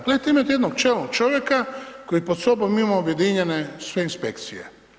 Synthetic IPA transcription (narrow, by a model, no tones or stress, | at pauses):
klet̪eimat̪jed̪nok̚t͡ʃelnokt͡ʃoʋjekakojipot̪sobommimaobjed̪iɲenesʋeinspḛkt̪sijḛ